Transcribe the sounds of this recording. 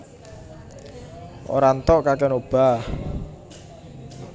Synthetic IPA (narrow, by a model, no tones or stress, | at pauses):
ʔo̰ɾant̪ɔʔkakɛnob̥a̤h